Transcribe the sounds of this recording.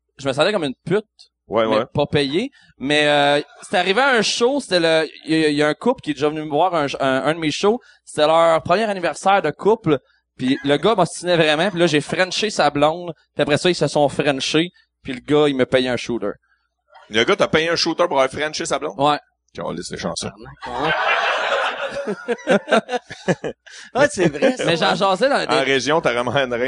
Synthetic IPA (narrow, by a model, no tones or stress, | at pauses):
ʒəməsɑ̃d̪ɛkɔmynpʏt̪̚ | wɛɛɛpuʁpɛje | mɛəse̥t̪ɛaʁivɪaə̃ʃose̥t̪ɛləjjaɛ̃kʊplkʲjɛd̪eʒʌvənyməvwɑːʁə̃ʃːd̪əmeʃo | se̥t̪ɛlœːʁpχəmjɛːʁanivɛʁsæːʁd̪əkʰʊpl | piləɡʌmɔst̪inɛvʁɛmãpilʌʒefʁɛ̃nʃesablɔ̃d̪piapʁɛsʌilsəsɔ̃fʁɛnʃe | piləɡʌiməpɛjɛə̃ʃuːt̪ə̰˞ | ləɡʌt̪ɐpɛjeə̃ʃuːt̪ə˞puʁawafʁɛnʃesablɔ̃d̪wɛ | kʲiɔ̰̃lɪ̰slḛʃɑ̰̃sɔ̰̃n | asevʁɛmɛʒɑ̃ʒɑːzɛd̪ã̰ʁeʒjɔ̃t̪avɛmãɛ̃nʁɛ̃